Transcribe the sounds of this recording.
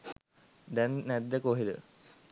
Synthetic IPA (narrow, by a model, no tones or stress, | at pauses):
d̪ɛnːɛd̪ːəkoɦed̪ə̰